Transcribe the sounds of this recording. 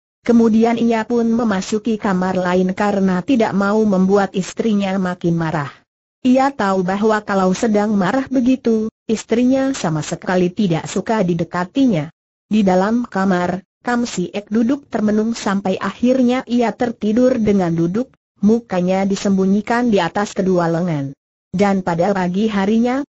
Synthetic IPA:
kəmudianijapʊnməmasukikamarlaɪnkaɾənat̪ida̰ʔmauməmbuat̪ist̪ɾiɲamakɪnmaɾah | ʔiat̪aubaɦwakalausədaŋmaɾahbəɡit̪uist̪ɾiɲasamasəkalit̪ida̰ʔsukadidəkat̪iɲa | didalamkamar | kamsiʔɛk̚dudʊk̚t̪ərmənʊŋsampajʔahirɲaʔijat̪ərt̪idʊrdəŋandudʊk̚ | mukaɲadisəmbuɲikandiat̪askədualəŋan | danpadapaɡiɦaɾiɲa

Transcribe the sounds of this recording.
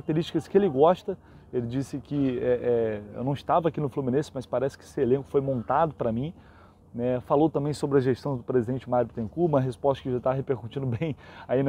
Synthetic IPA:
k̚t̪eɾiʃt͡ʃi̥kɐskɪelɪɡɔʃt̪ɐ | elɪd͡ʒisɪkɪɛʔɛḛwnɐ̃w̃ɪʃt̪avɐakinʊflumĩnẽsɪmɐspaɾɛsɪ̥kɪe̥sɪelẽkʊ̥fojmõnt̪ad̪ʊpɾɐmĩ | nɛfalowt̪ɐ̃mbẽj̃sobɾɪɐʒeʃt̪ɐ̃w̃d̪ʊpɾezid̪ẽnt͡ʃɪmaɾjuʊpt̪ẽkumɐɦespɔst̪ɐ̥kɪʒat̪aɦepeɾkut͡ʃĩd̪ʊbẽj̃ainɐ

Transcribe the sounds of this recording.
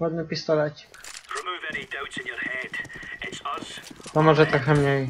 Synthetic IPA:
ɔd̪nɨpʲist̪ɔlɛt͡ɕi̥kɹɪmuːvɛnidoʊtsɪ̃njəɹhɛdɪtsəspɔmɔʐɛt̪ɾɔxɛmɲej

